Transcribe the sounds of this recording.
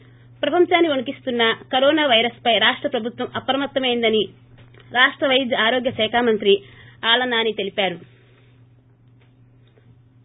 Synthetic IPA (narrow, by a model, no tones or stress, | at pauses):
pɾɐpɐmt͡ʃaːnːioɳɐkist̪unːɐkɐɾɔːnaːʋɐjɾɐspɐjɾaːʂʈɾɐpɾɐbʱut̪ʋɐmɐpɾɐmɐt̪ːɐmejind̪ɐni | ɾaːʂʈɾɐʋɐjd͡ʒ̪ɐaːɾoːɡjɐʃɛːkʰaːmɐnt̪ɾiaːlɐnːaːnit̪e̞lipaːɾu